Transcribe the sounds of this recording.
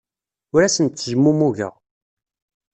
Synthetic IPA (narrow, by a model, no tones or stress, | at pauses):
ʊɾæsənt̪ːəʒəmːumuʝə̰ʁ